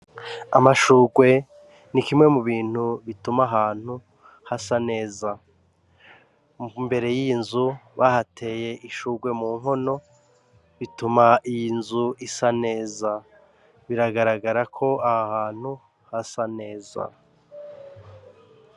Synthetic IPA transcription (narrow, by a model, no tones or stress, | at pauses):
amaʃuːɡwe̞ | nikimŋe̞muβiːn̥huβitumaɦaːn̥hu | hasane̞ːza | mbe̞ɾe̞jiːnzuβahatʰe̞ːje̞ʔiʃuːɡwe̞muːŋɦo̞no̞ | βitumaijinzuisane̞ːza | βiɾaɡaɾaɡaɾakʰo̞ahahaːn̥hu | hasane̞ːza̰